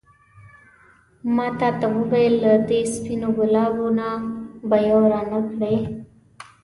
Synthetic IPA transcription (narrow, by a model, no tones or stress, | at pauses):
mɑt̪ɑt̪awuwajəlːad̪espinoɡʊlɑbonabajoɾanəkɽe